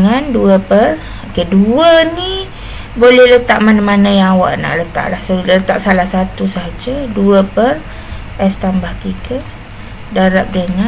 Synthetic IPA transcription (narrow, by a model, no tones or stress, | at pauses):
ŋanduəpər | okeduəni | bolɛhlət̪aʔmanamanajaŋawa̰ʔna̰ʔlət̪a̰ʔlahsələt̪aʔsalahsat̪usaɦad͡ʒaduəpər | ɛst̪ambaht̪iɡə | daɾap̚dəŋa